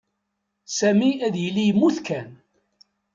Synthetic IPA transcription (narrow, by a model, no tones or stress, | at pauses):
sæmiæðjəlːijəmːuθkæn